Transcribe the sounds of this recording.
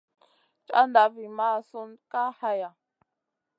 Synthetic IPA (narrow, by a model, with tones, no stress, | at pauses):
t͡ʃʼa̰˦nda˨˦vi˨ma˦˨su˦nka˦ha˦ja˨